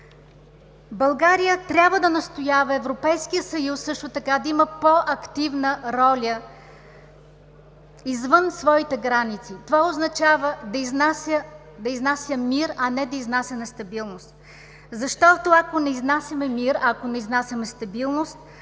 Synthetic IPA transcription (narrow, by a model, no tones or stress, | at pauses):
bɐlˠɡaɾijət̪ɾʲabvəd̪ɐnɐst̪ojavɐɛvɾopɛjskijəsɐjusːɤʃt̪ot̪ɐkad̪ɐimɐpoʔɐkt̪ivnəɾɔlʲə | izvənsvɔit̪ɛɡɾanit̪sit̪ovaoznɐt͡ʃavəd̪ɐiznasə | d̪ɐiznasʲjəmiɾɐnɛd̪ɐiznasʲɐnɛst̪ɐbilˠnost̪ | zɐʃt̪ɔt̪oɐkonɛiznasʲɐmɛmiɾɐkonɛiznasʲɐmɛst̪ɐbilˠnost̪̚